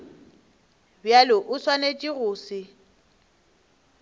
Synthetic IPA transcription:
bjalɪʔʊswanet͡ʃʼiɣʊːsɪ

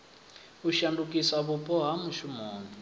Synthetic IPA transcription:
uʃandukʼisaβupʼɔɦamuʃumɔːnɔ

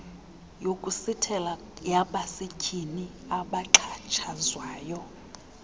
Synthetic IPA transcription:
jokʼusitʰɛla | jaɓasekʰʼini | aɓaǁʰat͡ʃʰazwaːjɔ

